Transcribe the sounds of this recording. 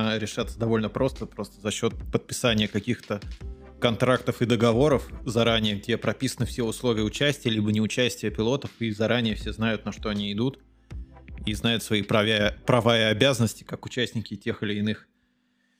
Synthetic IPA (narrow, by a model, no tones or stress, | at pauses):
ɾʲɪʂat̪səd̪ɐvo̞lʲnəpɾo̞st̪əpɾo̞st̪ə̥zɐɕːo̞t̪̚pət̪̚pʲɪ̥sanʲɪjəkɐkʲixt̪ə | kɐnt̪ɾakt̪əfɨd̪əɡɐvo̞ɾəfzɐɾanʲɪjəɡ̚dʲepɾɐpʲisənɨfsʲeʊslˠovʲɪjəʊt͡ɕæsʲtʲɪjəlʲibənʲɪʊt͡ɕæsʲtʲɪjəpʲɪlˠo̞t̪əfizɐɾʔanʲɪjəfsʲe̞znajʊt̪̚nɐʂt̪o̞ɐnʲiːd̪ut̪ | iznajʊt̪svɐipɾɐvʲaəpɾɐvajəɐbʲazənəsʲtʲɪ̥kakʊt͡ɕæsʲnʲɪkʲɪtʲe̞xɨlʲɪːnɨx